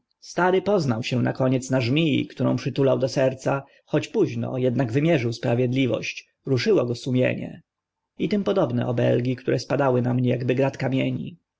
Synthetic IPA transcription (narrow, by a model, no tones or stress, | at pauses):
st̪aɾɘpɔznawɕɛ̃nʔa̰kɔɲɛt̪snaʐmʲijḭkt̪uɾɔ̰̃w̃pʂɘt̪ulawd̪ɔsɛɾt̪sa | xɔt͡ɕpuʑnɔ̰jɛd̪naɡvɘmʲjɛʐɘwspɾavʲjɛd̪lʲivɔ̰ɕt͡ɕ | ɾuʂɘwɔɡɔsumʲjɛ̰ɲɛ̰ | it̪ɘmpɔd̪ɔbnɛ̰ʔɔbɛ̰lɡʲikt̪uɾɛspad̪awɘnamɲɛjaɡbɘɡɾat̪kamʲjeɲḭ